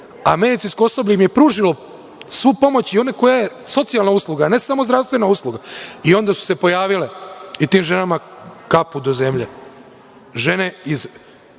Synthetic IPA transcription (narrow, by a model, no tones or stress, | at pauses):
ame̞d̪it̪sinskoo̞so̞bʎuimje̞pɾuːʒilo | sʋupo̞mo̞t͡ɕio̞neko̞jaje̞so̞t̪sialnauslˠuɡaːne̞samozɾafst̪ʋe̞nauːslˠuɡaio̞nd̪asu̥se̞po̞jaːʋileit̪iːmʒe̞namakapud̪o̞ze̞mʎe | ʒe̞neiz